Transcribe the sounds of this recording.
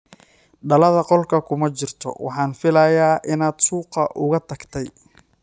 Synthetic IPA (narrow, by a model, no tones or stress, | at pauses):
ɖɐlɐðɐqɔlkʰɐkʰʊmɐt͡ʃɪrt̪ʰɔ̰wɑ̰ħɑːnfɪlɐjaːʔɪnaːd̪suːqɐʔʊɣɐt̪ʰɐɡt̪ʰɛj